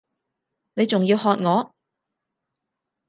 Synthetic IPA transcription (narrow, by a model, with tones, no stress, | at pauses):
ne˨˧jt͡sʊ˨ŋjiː˧whɔː˧t̚ŋɔː˨˧